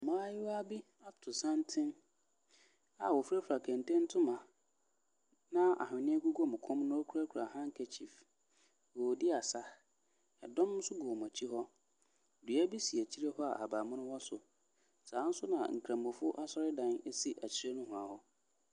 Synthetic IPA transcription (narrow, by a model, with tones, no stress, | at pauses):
mãː˦jɪ˦wɔ˦a˦bi˦ | a˦tʰʊ˨sã˦ntʰɪ̃˦n | a̰˨wɔ˨fu˦ɾa˦fu˨a˨kʰɛ̃˨n˨tɛ̃˦n̩˦tʰʊ̃˦mã˨ | nã˦a̰˨ɦʊ̃˨nɪ̃˦ɛ˦ɡu˦ɡo˦mʊ̃˨kʰɔ̃˦mnʊ̃˦o˦kʰu˨ɾa˦kʰa˨hã˦ŋ̩˦kʰɛ˨t͡ɕʰi˨f | wɔ˨dɪ˦a˨sa˦ | ɛ̰˨dɔ̃˦m̩̃ː˦sʊ˦ɡʊ˨ɔ˨mã˨t͡ɕʰi˦ɦɔ˦ | dɥæ˦bi˦si˨æ˨t͡ɕʰi˦ɾe˦hɔ˦a̰˨ʔa˨baː˨mʊ̃˦nʊ̃˦wɔ˦sʊ˨ | sãː˨˦n̩˦sʊ˦nã̰˨ŋ̩˨kʰɾã˨mʊ̃˨fʊ˦ʔa˦sɔ˦ɾɪ˦dã˦nɛ˦si˦ʔæ˨t͡ɕʰi˦ɾe˦nʊ̃˦ɦʊ̃˨a˨hɔ˦